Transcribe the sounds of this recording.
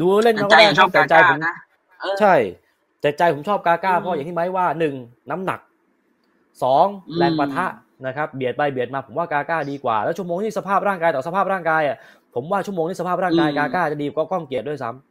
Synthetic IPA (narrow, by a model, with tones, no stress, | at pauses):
duː˧le˥˩nka˦˥waː˥˩a˥o˨˦˩t͡ɕɛ˨˩t͡ɕa˧jpʰo˩˦m | t͡ɕʰa˥˩j | t͡ɕ̪ɛ˨˩t̪̚t͡ɕa˧jpʰo˩˦mʰɔː˥˩p̚kaː˧kaː˥˩pʰɔ˧˥ja˨˩ŋt̪ʰiː˥˩ma˦˥jwaː˥˩nɯ˨˩ŋ | na˦˥mna̰˨˩k̚ | sɔː˩˦ŋlɛː˧ŋpa˧t̪ʰa˦˥ʔ | na˦˥kʰa˦˥p̚bi˨˩ət̪̚ba˧jbi˨˩ət̪̚maː˧pʰo˩˦mwaː˥˩kaː˧kaː˥˩diː˧kwa̰ː˨˩lɛː˦˥t͡ɕʰu˥˩əmoː˧ŋt̪ʰiː˥˩sa˧pʰaː˥˩p̚ɾaː˥˩ŋkaː˧jt̪ɔː˨˩sa˧pʰaː˥˩p̚ɾaː˥˩ŋkaː˧jʔa˨˩ | pʰo˩˦mwaː˥˩t͡ɕʰu˥˩əmoː˧ŋi˥˩sʰaː˥˩ɾaː˥˩ŋkaː˧jkaː˧kaː˥˩t͡ɕa˨˩diː˧˩kɔː˥˩kɔ˥˩ŋki˨˩ət̪̚du˥˩˨jsa˦˥m